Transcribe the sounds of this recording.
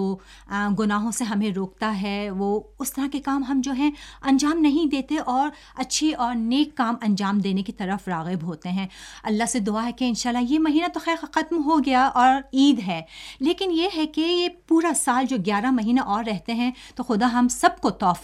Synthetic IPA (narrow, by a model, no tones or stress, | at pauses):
oː | ɡʊnaːɦõseɦɐmẽɾoːk̚t̪aɦɛʋoːʊst̪ɐɾakekaːmɦɐmd͡ʒoːɦɛ̃ɐ̃nd͡ʒaːmnɐɦĩd̪eːt̪eʔɔːɾ | ɐtːʃʰeʔɔːɾneːkːaːmɐ̃nd͡ʒaːmd̪eːnekit̪ɐɾəfɾaːɣɪbɦoːt̪eɦɛ̃ːɐlːaɦsed̪ʊaɦɛkeɪnʃaːlːaɦjemɐɦiːnat̪oxɛːɾxɐt̪mɦoɡɐjaʔɔːɾiːd̪ɦɛːleːkɪnjeɦɛkejepuːɾasaːld͡ʒoːɡjaːɾamɐɦiːnaʔɔːɾːɛɦt̪eɦɛ̃t̪oxʊd̪aɦɐmsɐb̚kot̪ɔːf